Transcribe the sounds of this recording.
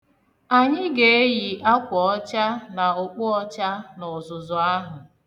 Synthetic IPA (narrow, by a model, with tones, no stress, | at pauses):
a˨ɲɪ˦ɡe˨e˦ji˨ʔa˦kʷɔ˨ɔ˦t͡ʃa˦na˨ʊ˨k͡pʊ˦ɔ˦t͡ʃa˦nɔ˨zʊ˨zʊ˨a˦ɦʊ˨